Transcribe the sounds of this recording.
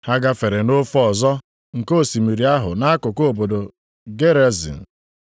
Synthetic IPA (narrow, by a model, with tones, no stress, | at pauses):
ha˦ɡa˦fe˨ɾe˨no˦fɔ˨zɔ˦ | ŋ̩˨ko˦˨si˨mi˨ɾi˨a˦ɦʊ˨na˦a˦kʊ˨ko˦o˨bo˨do˨ | ɡe˦ɾe˦zḭ˨n̩˨